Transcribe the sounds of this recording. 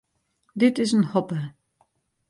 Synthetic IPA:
dɪtɪsənhɔpə

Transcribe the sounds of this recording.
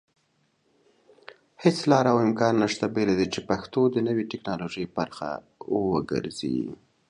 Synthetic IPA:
het͡slɑɾaawɪmkɑnːaʂt̪abelad̪it͡ʃepaxt̪od̪ənəwiʈɪknɑloʒəjbaɾxa̰ | wəɡə̰ɾzḭ

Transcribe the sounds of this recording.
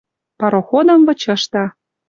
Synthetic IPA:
pɑɾoxod̪ɤ̆mvɤ̆t͡ɕɤ̆ʃt̪ɑ

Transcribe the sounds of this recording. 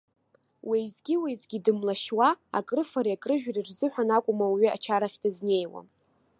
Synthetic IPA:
wejzɡʲiwejzɡʲidɨmlaʃwaa̰kʼrɨfaɾiakʼrɨʒᶣrirzɨħʷᶣanakʷʼʊmawɥia̰t͡ʃʰaɾaχʲdɨzne̞jwa̰

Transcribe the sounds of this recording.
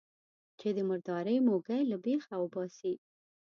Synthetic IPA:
t͡ʃed̪əməɾd̪ɑɾəjmoɡajlabexawəbɑsi

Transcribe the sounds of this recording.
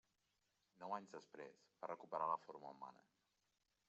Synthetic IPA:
nɔwaɲzðəspɾḛsbarʔəkupəɾaləfoɾməuma̰nə̰

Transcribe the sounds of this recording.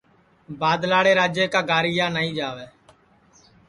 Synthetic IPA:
baːd̪laːɽeːɾaːd͡ʒeːkaːɡaːɾɪjaːnaːĩːd͡ʒaːʋeː

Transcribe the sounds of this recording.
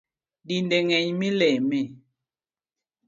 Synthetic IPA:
dindeŋɛɲmilɛmɛ

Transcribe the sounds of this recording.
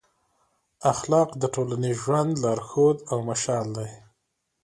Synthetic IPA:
axlɑqd̪əʈolaniʒwand̪lɑɾxod̪awmaʃɑld̪aj

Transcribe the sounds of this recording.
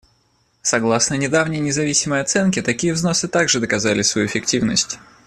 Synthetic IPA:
sɐɡlˠasnənʲɪd̪avnʲɪjnʲɪzɐvʲisʲɪməjɐt̪sɛnkʲɪt̪ɐkʲijəvzno̞sɨt̪aɡʐɨd̪əkɐzalʲɪsvɐjṵɪfʲɪktʲivnəsʲtʲ

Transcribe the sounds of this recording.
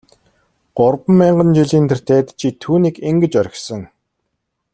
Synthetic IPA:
ɢ̥ʊrpə̆mːæːɴɢə̆nt͡ɕiɮiːnt̪̆ʰr̥t̪ʰeːt̪t͡ɕʰit̪ʰuːniːkiŋɡɘ̆t͡ɕœɾʲɪ̆xsə̆ŋ

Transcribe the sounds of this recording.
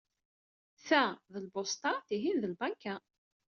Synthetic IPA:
θæðəlbost̪ɑθiɦinðəlbæŋkːæ

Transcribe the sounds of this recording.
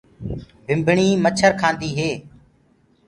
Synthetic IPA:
bʱɪmbʱɳiːmət͡ʃʰəɾkʰãːnd̪iːɦeː

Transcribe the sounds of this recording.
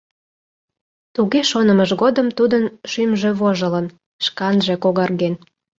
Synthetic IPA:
t̪uɣeʃonəməʒɣod̪əmt̪ud̪ənʃymʒeβoʒələn | ʃkɑnʒe̽koɣɑrɣen

